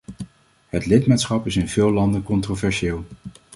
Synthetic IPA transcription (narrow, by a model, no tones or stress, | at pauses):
ɦətlɪtmaːtsχɑpɪsɪnvɪːlˠɑndəkɔntrovɛɹʃɪːlˠ